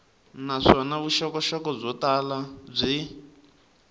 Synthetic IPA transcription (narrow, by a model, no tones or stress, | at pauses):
naʂɔnaβuʃɔkɔʃɔkɔb͡ʐɔtalab͡ʐʷi